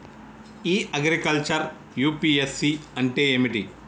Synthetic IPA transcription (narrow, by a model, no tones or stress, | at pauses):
iːʔɐɡɾikɐlt͡ʃɐɾ | juːpiːesːiɐɳʈeːeːmiʈḭ